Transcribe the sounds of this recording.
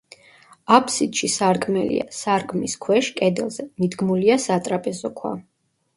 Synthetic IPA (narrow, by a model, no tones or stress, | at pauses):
apʰsit̪ʃisaɾkʼmɛlḭa̰saɾkʼʰmiskʰwɛʃkʼɛd̪ɛ̰lˠzɛmid̪ɡmuliasat̪ʼɾapʼɛzɔkʰwa̰